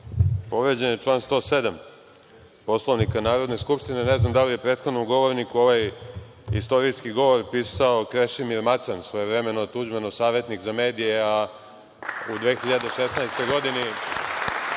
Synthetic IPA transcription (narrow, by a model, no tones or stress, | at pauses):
po̞ʋɾed͡ʑenit͡ʂlˠaːnst̪o̞ːsed̪am | po̞slˠo̞ʋnikanaːɾod̪ne̞skupʃt̪ineneznamd̪alije̞pɾet̪xod̪nomɡo̞ʋoɾnikuo̞ʋaj | ḭst̪o̞ɾiskiɡo̞ʋo̞ɾpiːsaokɾeʃimiɾmat̪sansʋojevɾemenot̪ud͡ʑmenosaːʋje̞t̪nikzame̞ːd̪ijea | ud̪ʋeːxiʎad̪eʃesnajst̪o̞jɡo̞d̪ini